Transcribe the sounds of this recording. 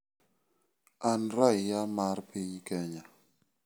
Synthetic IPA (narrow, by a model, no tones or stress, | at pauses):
anɾajjamaɾpʰiɲkɛɲa